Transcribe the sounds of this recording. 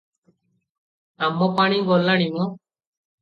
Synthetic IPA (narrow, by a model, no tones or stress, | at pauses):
amːɔpaːɽ̃iɡɔlaɽ̃iɔ̃